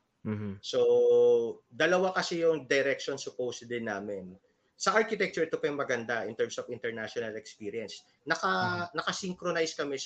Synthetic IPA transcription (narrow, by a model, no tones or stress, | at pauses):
so | d̪ɐlɐwakɐsɛjʊŋd̪ɐɾɛk̚ʃonsʊpowsd̪ɪnːaːmɛn | sɐʔaɹkɪt̪ɛk̚t͡ʃʊɹt̪opɐjʊŋmɐɡɐnd̪aʔɪnt̪ɛɹmsofɪnt̪ɛɹnaʃonɐlɛkspiːɾjɐns | nɐkɐnɐkɐsiŋkɾonajskɐmɛ